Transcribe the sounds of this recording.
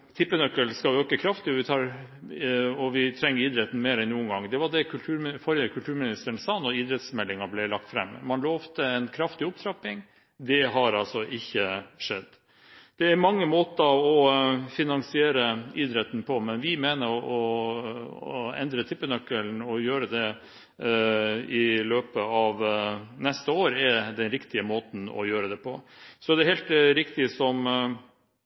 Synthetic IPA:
t̪ʰɪpːənœkːəlskɑøːkəkʰɾɑft̪ɪɔʋɪt̪ʰɑːɾ | ɔʋɪt̪ʰɾɛŋːəɾiːd̪ɾɛt̪n̩meːɾɛnnːuːənɡɑŋːd̪ɛʋɑɖ̪ɛkʰʉlt̪ʰʉːɾmfɔɾjəkʰʉlt̪ʰʉːɾmɪnɪst̪əɳsɑːnɔiːd̪ɾɛt̪smɛlːɪŋɑblɛlɑk̚t̪fɾɛ̰mːmɑnloːɔft̪əɛnkʰɾɑft̪ɪʊpt̪ʰɾɑpːɪŋ | d̪ɛɦɑɾɑlsɔʔɪçːəʂɛ̰d̪ː | d̪̥ɛæɾmɑŋːəmoːt̪əɑʋɔfɪnɑŋsɪeːɾəiːd̪ɾɛt̪n̩pʰɔmɛnʋɪmeːnəɾɔ | ɛ̰nd̪ɾət̪ʰɪpːənœkːəlnɔjøːɾəd̪ɛ | ɪløːpəɑʋnɛst̪əoːɾɛd̪ɛnɾɪkt̪ɪəmoːt̪n̩ɔ̰jøːɾəd̪ɛpʰɔsɔd̪ɛæɾhɛːlt̪ɾɪkt̪ɪsɔm

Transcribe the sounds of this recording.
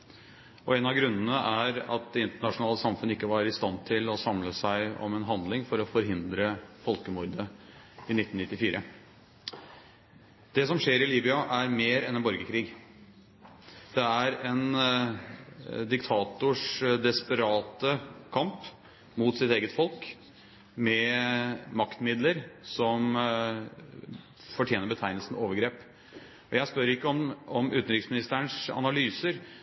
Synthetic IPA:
ɔɛnɑʋɡɾʉnːənəʔæɾɑ̰t̪̚d̪ɛɪnt̪əɳɑʂʊnɑːləsɑmfʉnəɪkːəʋɑɾɪst̪ɑnt̪ʰɪlɔsɑmləsæɪɔ̰mɛnɦɑnd̪lɪŋfɔɾɔfɔɾɦɪnd̪ɾəfɔlkəmʊɾd̪ə | ɪnɪt̪ːn̩nɪt̪ːɪfiːɾʔə | d̪̥ɛsɔmʂeːɾɪliːbɪɑʔæɾmeːɾɛ̰nɛnbɔɾɡəkʰɾiːɡ | d̪̥ɛæɾɛn | d̪ɪkt̪ʰɑːt̪ʊʂd̪ɛspəɾɑːt̪əkʰɑmp | mut̪sɪt̪eːɡət̪fɔlk | mɛ | mɑkt̪mɪd̪ləɾsɔm | fɔʈʰjeːnəɾbət̪ʰæɪnəlsn̩oːʋəɾɡɾeːp | ɔjæɪspœɾɪkːəɔmɔmʉːt̪n̩ɾɪksmɪnɪst̪əəɳʂɑ̰nɑlyːsəɾ

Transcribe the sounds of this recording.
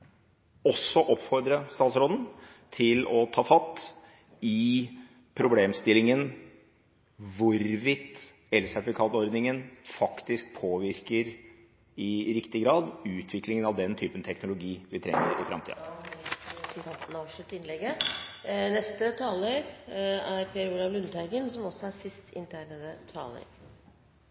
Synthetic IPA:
ɔsːɔʔɔpfɔɾd̪ɾəst̪ɑːt̪sɾoːd̪n̩ | t̪ʰɪlɔt̪ʰɑːfɑt̪ː | ɪ | pʰɾʊbleːmst̪ɪlɪŋən | ʋʊɾʋɪt̪ː | ɛlsæt̪ɪfɪkʰɑːt̪ɔɾd̪nɪŋənfɑkt̪ɪsk̚pʰoːʋɪɾkəɾ | ɪɾɪkt̪ɪɡɾɑːd̪ʉːt̪ʰʋɪklɪŋənɑʋd̪ɛnt̪ʰyːpənt̪ʰɛknʊlʊɡiːʋɪt̪ʰɾɛ̰ŋːə̰ɾɪ̰fɾɑ̰mt̪ʰḭːɑ̰ | t̪nɑːʋʂɭʉt̪ːɪnlɛɡːə | nɛst̪ət̪ʰɑːləɾæɾpʰeːɾuːɾɑʋlʉnt̪ʰæɪɡənsɔmɔsɔæsɪst̪ɪ̰nt̪ʰæːɳəət̪ʰɑ̰ːlə̰ɾ

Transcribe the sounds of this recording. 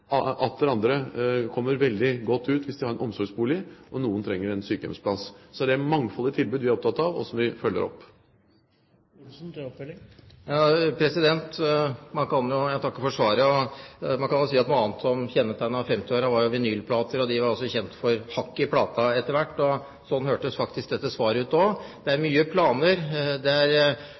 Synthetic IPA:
ɑɑt̪d̪ɛɾɑnd̪ɾəkʰɔmːəɾʋɛld̪ɪɡɔt̪ːʉːt̪ʋɪsd̪ɪhɑɾɛnʔɔmsɔɾɡsbuːlɪʔɔnuːənt̪ʰɾɛŋːəɾɛnsyːkəd̪ɔ̰mspʰlɑssɔd̪ɛæmɑŋfɔlːɪt̪ʰɪlbʉːd̪ʋɪæɾɔp̚t̪ʰɑt̪ːɑʋɔ̰sɔmʋɪfœlːə̰ɾɔ̰pː | pljɑːpʰɾɛsɪd̪ɛnt̪mɑnkɑnjʊjæt̪ɑkːəfɔʂʋɑːɾəɔmɑnkɑnjʊsiːɑt̪nʊɑːnt̪sɔmçɛnːət̪ʰæɪnɑʋfɛmt̪ɪoːɾɑʋɑɾjʊʋɛnyːlpʰlɑːt̪əɾɔd̪ɪʋɑɾɔlsɔçɛnt̪fɔɾhɑkːɪpʰlɑːt̪ʰɑɛt̪ːəɾʋæʈːɔ | sɔnːhøːʈəsfɑk̚t̪ɪsk̚d̪ɛt̪ːəsʋɑːɾəʉːt̪oːd̪̥ɛæɾmyːəpʰlɑːnəɾd̪ɛæɾ

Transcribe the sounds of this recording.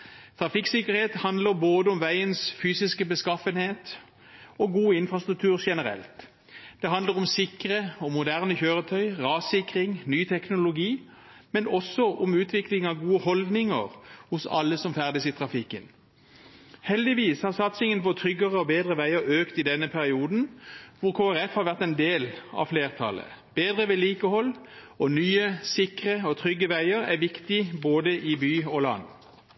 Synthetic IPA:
t̪ʰʁɑfɪksɪkəʁheːt̪hɑnd̪ləʁboːd̪əɔmʋæɪənsfyːsɪskəbəskɑfənheːt̪ | oɡuːɪnfʁɑst̪ʁʉk̚t̪ʰʉːʁʃɛnəʁɛ̰lt̪ | d̪̥ɛɦɑnd̪ləʁʊmsɪkʁəɔmʊd̪æʁnəçøːʁət̪ʰœʏʁɑːsɪkʁɪŋnyːt̪ʰɛknʊlʊɡiː | mɛnɔsɔʔɔmʉːt̪ʰʋɪklɪŋɑʋɡuːəhɔld̪nɪŋə̰ʁhʊsɑ̰lːəsɔmfæʁd̪əsɪt̪ʰʁɑfɪkːən | hɛld̪ɪʋiːshɑʁsɑt̪sɪŋənpɔt̪ʰʁʏɡəʁəɔbeːd̪ʁəʋæɪəʁøːkt̪ɪd̪ɛnəpʰæʁɪuːd̪n̩ʋʊʁkʰoːæʁɛfhɑːʁʋæʁt̪ɛnd̪eːlɑ̰fleːʁt̪ʰɑ̰lə̰ | b̥eːd̪ʁəʋeːliːkəhɔl | ɔnyːəsɪkʁəɔt̪ʰʁʏɡːəʋæɪəʁæʋɪkt̪ɪboːd̪əʔɪbyːɔlɑ̰n

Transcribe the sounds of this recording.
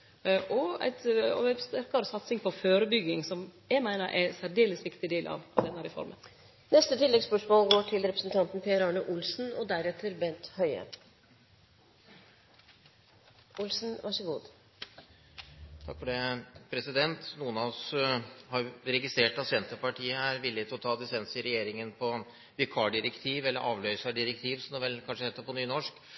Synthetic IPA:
ʔɔæ̰ɪt̪ɔɛst̪æɾkɑɾɔsɑt̪sɪŋpʰɔføːɾəbʏɡɪŋsɔmjæɪmæɪnəɾʔæ̰sæɾd̪eːləsʋɪkt̪ɪd̪eːlʔɑ̰ʋɑʋd̪ɛnːæːɾɪfɔ̰ɾmə̰n | nɛst̪ət̪ʰɪlːɛɡspœʂmoːlɡoːʈʰɪlɾɛpɾəsn̩t̪ʰɑnt̪n̩pʰeəɾɑːɳəʔʊlsn̩ɔd̪æɾɛt̪ʰəɾbɛnt̪hœʏə̰ | ʊlsn̩ʋʔɑʂəɡṵːd̪ | t̪ʰɑ̰kːfɔɖɛpʰɾɛsɪd̪ɛnt̪nuːənɑɔshɑɾjɾɛɡɪst̪ɾeːʈɑsɪɛnt̪əpɑʈʰiːəæɾʋɪlːɪt̪ɪlɔt̪ʰɑːd̪ɪsɛnsəɪɾɛjeːɾɪŋənpʰɔ | ʋɪkʰɑːɖɪɾɛkt̪ʰiːʋɛlːəɾʔɑːʋlœʏsɑɖɪɾɛk̚t̪ʰiːʋsɔmnɔʋɛlkʰɑnʂəhɛːt̪ːəpʰɔnyːnɔʂk

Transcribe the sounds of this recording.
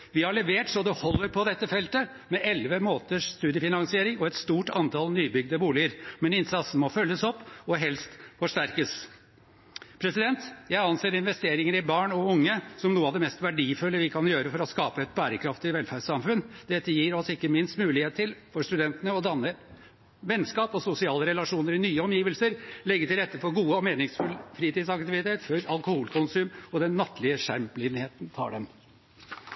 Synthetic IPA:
ʋɪhɑɭɛʋeːʈsɔd̪ɛhɔlːəɾpʰɔd̪ɛt̪ːəfɛlt̪ə | mɛʔɛlʋəmoːt̪əʂst̪ʉːd̪jəfɪnɑŋsɪeːɾɪŋɔɛt̪st̪uːʈɑnt̪ʰɑlnyːbʏɡd̪əbuːlɪəɾmɛnɪnsɑt̪sn̩mɔfœljːəsɔpːɔɦɛlst̪fɔʂʈæɾkəs | pʰɾɛsɪd̪ɛnt̪jæɪɑnseːɾɪnʋɛst̪eːɾɪŋəɾɪbɑːɳɔʊŋːəsɔmnuːəɑʋd̪ɛmɛst̪ʋæɖiːfʉlːəʋɪkʰɑnjøːɾəfɔɾɔskɑːpəɛt̪bæːɾəkʰɾɑft̪ɪʋɛlfæɖsɑmfʉnd̪̥ɛt̪ːəjiːɾɔsɪkːəmɪnst̪mʉːlɪheːt̪ʰːɪlfɔʂt̪ʉd̪ɛnt̪ənəɔd̪ɑnːə | ʋɛnskɑːpɔsʊsɪɑːləɾɛlɑʂuːnəɾɪnyːəɔmjiːʋəlsəɾlɛɡːət̪ɪlɾɛt̪ːəfɔɾɡuːəɔmeːnɪŋsfʉlfɾiːt̪iːd̪sɑk̚t̪ɪʋɪt̪ʰeːt̪fœɾɑlkʊhuːlkʰʊnsʉːmɔd̪ɛnːɑt̪ʰːlɪəʂæmplɪnheːt̪nt̪ʰɑ̰ːɖɛm

